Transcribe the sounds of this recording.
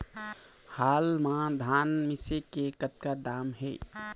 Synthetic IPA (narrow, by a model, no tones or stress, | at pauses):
haːlmãd̪ʱaːnmɪsekekət̪̚kad̪aːmɦɛ̰